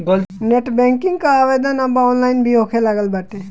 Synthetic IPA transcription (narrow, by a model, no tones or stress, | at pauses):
ɡolneʈbɛŋkiŋɡkaaʋed̪ʱənambaɔnlajnbʱiɦokʰelaɡəlbaʈe